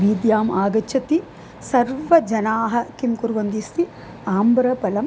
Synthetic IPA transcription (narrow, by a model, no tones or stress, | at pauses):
ʋiːd̪jaːmaːɡɐt͡ʃʰɐt̪i | sɐɾʋɐd͡ʒɐnaːɦɐ̆kimkuɾʋɐnd̪ist̪i | aːmbɾɐpɐlɐm